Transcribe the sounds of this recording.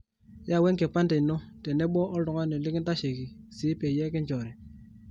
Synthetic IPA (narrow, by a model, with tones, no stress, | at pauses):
ja˦˨we˦ŋke˨pa˦nte˨no˦te˨ne˦ɓɔ˦ʔo˦ldɔ˨ŋa˦ne˨li˦ki˦nta˦ʃe˨ki˨siː˨˦pe˨je˦ki˦nd͡ʒɔ˨ɾe˨